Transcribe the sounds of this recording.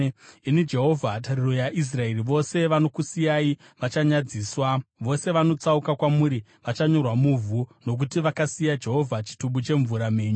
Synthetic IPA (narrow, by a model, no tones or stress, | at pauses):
inid͡ʒe̞ɦo̞vʱatariro̞jaʔis̬rae̞riʋo̞se̞ʋano̞kusijai | ʋat͡ʃaɲad͡ziːswaʋo̞se̞ʋano̞t͡saukakwamuɾi | ʋat͡ʃaɲo̞rwamuvʱuno̞k̬utiʋakasijad͡ʒe̞ɦo̞vʱat͡ʃi̥tuɓut͡ʃe̞ɱvuɾame̞ːɲu